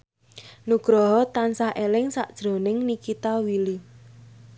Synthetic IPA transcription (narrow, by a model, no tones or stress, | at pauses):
nuɡ̥ɾɔɦɔt̪ansaɦʔelɪŋsaʔd̥ʒ̥ɾo̤nɪŋnikit̪awili